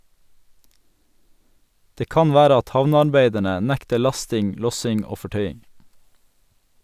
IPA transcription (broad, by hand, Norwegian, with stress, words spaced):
ˈdeː ˈkɑn ˈʋæːɾə ˈɑt ˈhɑʋnəɑɾˌbeɪdəɳə ˈnɛktə ˈɭɑstɪŋ ˈlɔsɪŋ ˈoː fɔˈʈœʏɪŋ